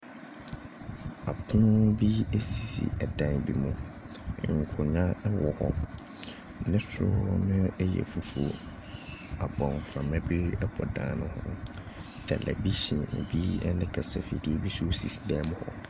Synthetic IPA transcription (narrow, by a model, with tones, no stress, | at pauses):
a˨pʰʊ˦nʊ̃˦bi˦e˦si˨sḭ˨ɛ˨dã˨nbi˦mʊ̃˨ | ŋ̩˨kʰʊ˨ɲã˦wɔ˨hɔ̰˦ | nɪ̃˦sʊ̰˦nʊ̃˦ɛ˦jɛ̰˨fu˨fṵ˨ | a˨bɔ̃˨m˨fɾã˨mɛ̃˦bɪ˦ɛ˦pʰɔ˨dã̰ː˨nʊ̃˦hʊ̰̃˦ | d̥ʰa˨lʔɛ̰˨bi˦ɕĩ˨bi˦ɛ˦nɪ̃˦kʰa˨sa˨fḛ˨di˦e˦bi˦su˦si˨si̥˨dɛ˦mʊ̃˦hɔ˦